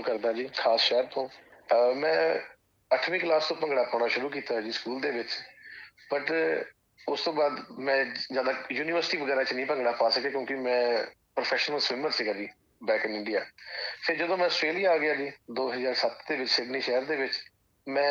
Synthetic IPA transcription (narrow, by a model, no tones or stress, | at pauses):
kəɾd̪ãːd͡ʒiːkʰaːsʃɛɦəɾt̪õːmɛ̃ː | əʈʰʋĩːklaːst̪õːpə̃ŋɡɽaːpaːnaːʃʊɾuːk̬iːt̪aːd͡ʒiːskuːld̪eːʋɪt͡ʃ | pəʈ | ʊst̪õːbaːd̪mɛ̃ːzjaːd̪aːjuːniːʋəɾsɪʈiːʋəɡɛːɾãːt͡ʃnĩːpə̃ŋɡɽaːpaːsəkeːkjõːkɪmɛ̃ː | pɾoːpʰɛːʃnəlswɪməɾsɪɡaːd͡ʒiː | bɛːkɪnɪɳɖijaːpʰɪɾd͡ʒəd̪õːmɛ̃ːəsʈɾeːlijaːaːɡɪjaːd͡ʒiːd̪oːɦəzaːɾsət̪d̪eːʋɪt͡ʃseːbniːʃɛɦəɾd̪eːʋɪt͡ʃ | mɛ̃ː